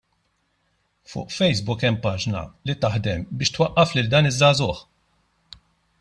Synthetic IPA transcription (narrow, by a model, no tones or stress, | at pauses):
fʊ̰ːʔfɛjsbʊkɛmːpɐːd͡ʒnɐ̰lit̪ɐħd̪ɛmbɪːʃt̪wɐʔːɐflɪld̪ɐːnɪzːɐːzʊħ